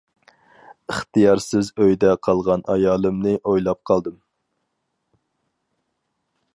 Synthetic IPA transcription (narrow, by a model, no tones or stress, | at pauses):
əχt̪ɨjɑɾsɪzøjd̪ɛqʰɑlˠʁɑnʔɑjɑːlˠɨmnɨʔojlˠɑp̚qʰɑlˠd̪ɨm